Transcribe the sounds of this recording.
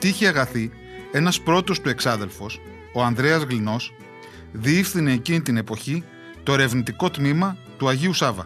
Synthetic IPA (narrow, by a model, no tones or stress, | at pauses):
t̪içeɐɣɐθi | e̞nɐspɾo̞t̪o̞st̪ue̞ksɐðe̞lfo̞s | o̞ɐnd̪ɾe̞ɐzɣlino̞s | ðiifθine̞ːcinit̪ine̞po̞çi | t̪o̞e̞ɾe̞vnit̪iko̞t̪mimɐt̪uɐʝiusɐvɐ̰